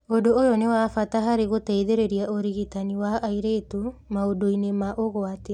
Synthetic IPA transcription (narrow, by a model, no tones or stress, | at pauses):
odoojɔnewafataɦaɾeɣotɛiðeɾeɾiaʔoɾiɣitaniwaːiɾetumaodoinemaʔoɣwate